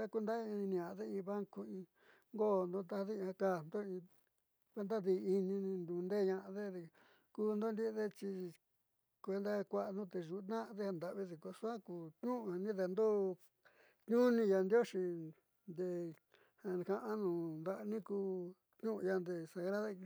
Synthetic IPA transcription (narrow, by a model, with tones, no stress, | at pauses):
a˦ku˧˦nd̪a˦ĩ˧nĩ˧ã˨ʔðe˦ĩ˧βa˦ŋko˧ĩ˧ | ŋɡo˦˨nd̪o˦t̪a˧ha˧ði˦˧ã˧ka˦˨nd̪o˦ĩ˧ | kʷe˧˦nd̪a˦ði˧i˧nĩ˧nĩ˧nd̪u˧nd̪e˦˨ɲã˧ʔa˧ðe˦ðe˧ | kuː˦˧nd̪o˦nd̪i˦˧ðe˦t͡ʃi˧ | kʷe˧nd̪a˦kʷa˦ʔnũ˦t̪e˧ʒu˨˦t̪nã˦ʔðe˦ha˧nd̪a˧˨ʔβi˦ði˧ko˧su˦a˦ku˧kɲũ˦ʔa˧nĩ˦ðe˧nd̪o˦ | kɲũ˦nĩ˧ja˧nd̪o˦ʃi˧ | nd̪e˧ | ha˧kã˧ʔa˦nũ˨nd̪a˧ʔnĩ˦kuː˧ | kɲũ˦ʔja˧nd̪e˧sa˧ɣɾa˦ða˦˧